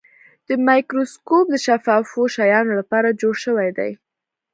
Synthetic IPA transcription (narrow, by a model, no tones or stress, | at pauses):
d̪̥əmɑjkɾoskop̚d̪əʃafɑfoʃajɑnolapɑɾad͡ʒoɽʃəwajd̪a̰j